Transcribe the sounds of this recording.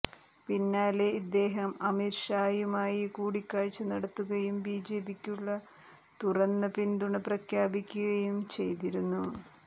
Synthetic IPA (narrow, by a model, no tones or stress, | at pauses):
pinːaːleid̪ːe̞ːɦɐmɐmiɾʂaːjumaːjikuːɽikːaːɻt͡ɕːɐnɐɽɐt̪ːuɣɐjumbiːd͡ʑe̞ːbikʲːuɭːɐ | t̪urɐnːɐpind̪uɳɐprɐkʰjaːbikʲːuɣɐjumt͡ɕe̞jt̪̬iɾunːu